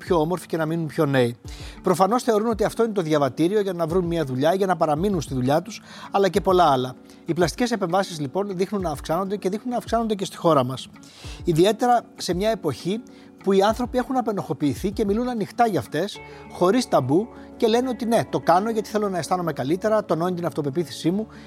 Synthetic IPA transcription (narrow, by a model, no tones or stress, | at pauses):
pço̞o̞mo̞ɾfi̥ce̞nɐminunpço̞ne̞ipɾo̞fɐno̞sθe̞o̞ɾuno̞t̪iɐft̪̞ine̞t̪o̞ðʝɐvɐt̪iɾio̞ʝɐnɐvɾunmiɐðuʎɐʝɐnɐpɐɾɐminunst̪iðuʎɐt̪us | ɐlɐce̞po̞lɐɐlɐ | iplɐst̪i̥ce̞se̞pe̞ɱvɐsizlipo̞nðixnunːɐːfksɐno̞nd̪e̞ce̞ðixnunːɐːfksɐno̞nd̪e̞ce̞st̪i̥xo̞ɾɐmɐs | iðie̞t̪e̞ɾɐse̞mɲɐe̞po̞çi | puiɐnθɾo̞pie̞xunɐpe̞no̞xo̞piːθice̞milunɐnixt̪ɐʝɐːft̪e̞s | xo̞ɾist̪ɐbu | ce̞le̞no̞t̪ine̞t̪o̞kɐno̞ʝɐt̪i̥θe̞lo̞nɐe̞st̪ɐno̞me̞kɐlit̪e̞ɾɐt̪o̞no̞nit̪inɐft̪o̞pe̞piθi̥simu